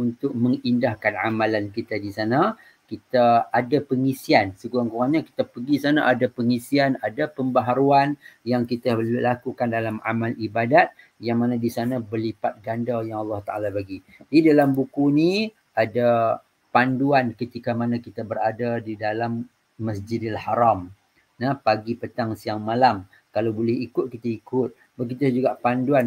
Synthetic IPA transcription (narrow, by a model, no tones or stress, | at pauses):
unt̪ʊk̚məŋindahkana̰malankit̪adisana | kit̪aadapəŋisiansəɡuaŋkuaɲaki̥t̪apəɡisanaʔadapəŋisianadapəmbaɦaɾuanjaŋkit̪alakukandalama̰malʔibadat̪̚ | jaŋmanadisanabərlipat̪̚ɡandajaŋɑlːɑht̪aʔa̰lapaɡi | didalambukuni | ada | panduankət̪ikamanãkit̪abəɾadadidalamː | əsd͡ʒɪdalhaɾam | napaɡipət̪aŋsiaŋmalam | kalawbolɛhikʊt̪̚kit̪aikʊt̪̚ | bəɡit̪ud͡ʒuɡaʔpanduan